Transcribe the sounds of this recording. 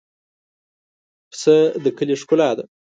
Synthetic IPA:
psəd̪əkəleʂkʊlaːd̪a

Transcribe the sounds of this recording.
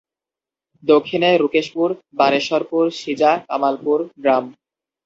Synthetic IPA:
d̪okʰːineɾukeʃpuɾbaɾeʃɔɾpuɾʃid͡ʑaka̰malpuɾɡɾam

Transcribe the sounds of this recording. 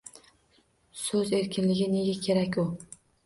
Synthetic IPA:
sɵze̞ɾkʲɪnlɪɡʲɪne̞ɡʲakʲʰe̞ɾakʲʊ

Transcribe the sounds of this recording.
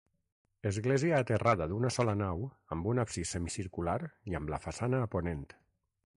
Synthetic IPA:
əzɣleziaːt̪əraðəðunəsɔlənaw | əmbunapsisəmisiɾkulaɾiəmləfasanəːponent̪

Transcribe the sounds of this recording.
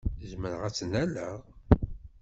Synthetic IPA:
zməɾʁæt͡sːənælæʁ

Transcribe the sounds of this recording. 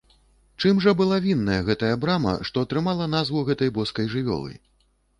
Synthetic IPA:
t͡ʂɨmʐɐbɨlˠavʲinːɐjɐɣɛt̪ɐjɐbɾamɐ̰ʂt̪ɔɐt̪ɾɨmalˠɐn̪azvuɣɛt̪ɐjbɔskɐjʐɨvʲɔ̰lˠɨ̰

